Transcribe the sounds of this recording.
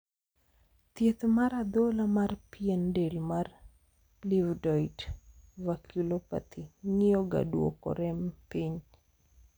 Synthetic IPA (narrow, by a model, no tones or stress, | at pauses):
t̪jet̪maɾad̪olamarpiendelmar | livdɔjdvakʰilopa̰t̪ʰiŋɪɔɡa̰dwo̰kɔ̰ɾɛmpiɲ